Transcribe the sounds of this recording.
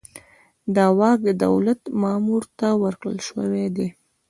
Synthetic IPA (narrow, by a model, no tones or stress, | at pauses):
d̪ɑwɑɡ̚əd̪a̰wlat̪mɑmuɾt̪awəɾkɽə̰lʃəwed̪e